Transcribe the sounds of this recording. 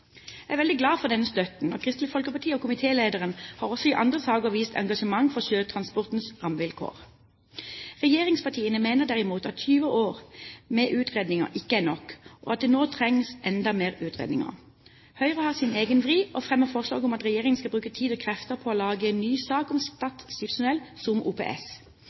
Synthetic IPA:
ææʋɛld̪ɪɡlɑːfɔd̪ɛnəst̪œt̪n̩nɔkʰʁɪst̪lɪfɔlkəpɑt̪ʰiːoːkʰʊmɪt̪ʰeːleːd̪əʁənhɑːʁɔsɔɪʔɑnd̪ʁəsɑːɡəʋiːst̪ʰɑ̰ŋɡɑʂəmɑŋfɔʁʃøːt̪ʰʁɑnspɔʁt̪n̩sʁɑmʋɪlkʰo̰ːʁ | ʁɛjeːʁɪŋspʰɑt̪ʰiːənəmeːnəʁd̪æʁɪmuːt̪ɑt̪tʰyːʋəoːʁmɛʔʉːt̪ʁeːd̪nɪŋə̰ʔɪkːəænɔkʔo̰ːɑt̪̚d̪ɛnoːt̪ʰʁɛŋsʔɛnd̪ɑmeːʁʉːt̪ʁḛːd̪nɪ̰ŋə̰ | hœʏʁəhɑːʁsɪneːɡənʋʁiːʔɔfʁɛmːəfɔʁslɑ̰ːɡʊmɑt̪ʁɛjeːʁɪŋənskɑbʁʉːkət̪ʰiːd̪ɔːkʰʁɛft̪əʁpʰɔoːlɑːɡəɛːnːyːsɑːkʊmst̪ɑt̪sɪpsʊnɛlsʊmʔṵːpʰḛʔɛ̰s

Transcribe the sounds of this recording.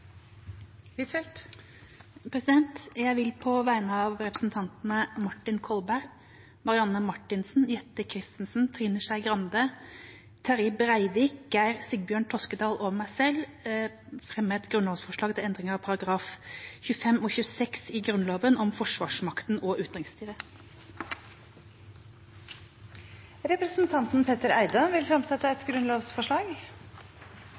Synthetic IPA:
ʋɪt̪ɛlt̪ | pʰɾɛsɪd̪ɛnt̪jæɪʋɪlpʰɔʋæɪnəɑʋɾɛpɾəsn̩t̪ʰɑnt̪nəmɑʈːɪnkʰɔlbæɾ | mɑɾɪɑnːəmɑʈːɪnsn̩jɛt̪ːəkʰɾɪst̪nsn̩t̪ʰɾiːnəʂæɪɡɾɑnd̪ə | t̪ʰæɾɪbɾæɪʋiːk̚ɡæɪɾsɪɡ̚bjøːɳʈ̪ʰɔskəd̪ɑːloːʋəmæɪsɛl | fɾɛmːəɛt̪ɡɾʉnloːʋsfɔʂɭɑːɡt̪ɪlɛnd̪ʁɪŋəɾɑʋpʰɑɾɑɡɾɑːfçʉəfɛmɔːçʉəsɛksiːɡɾʉnloːʋənʔɔmfɔʂʋɑːʂmɑkt̪n̩ʔɔːʔʉːt̪d̪ʁɪŋst̪yːɾə | ɾɛpɾəsn̩t̪ʰɑnt̪n̩pʰeːt̪əɾæɪd̪ɑʋɪlfɾɑmsɛt̪ːəɛt̪ɡɾʉnloːʋsfɔʂɭɑːɡ

